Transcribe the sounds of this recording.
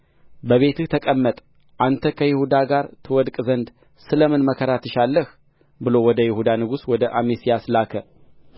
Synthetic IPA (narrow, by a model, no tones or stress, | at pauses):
bəβe̞t̪ʰɨht̪ʰəkʼəmːət̪ʼ | ʔant̪ʰəkʰəjɪhud̪aɡaɾt̪ʰɨwɔd̪kʼzənd̪ | sɨləmɨnməkʰəɾat̪ʰɨʃalːəh | bɨlo̞wɔd̪əjɪhud̪anɨɡuswɔd̪əʔamesijaslakʰə